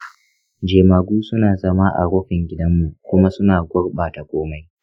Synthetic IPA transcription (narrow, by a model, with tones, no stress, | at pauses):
d͡ʒeː˨maː˨ɡʷuː˦sʊ˦naː˨zɐ˦ma˦ʔa̰˨ɽoː˦ɸɪ˨ŋɡʲɪ˦dɐ˦mːu˨kʷʊ˦ma˦sʊ˦naː˨ɡʷʊ˦ɽɓaː˨ta˨kʷoː˦ma˦j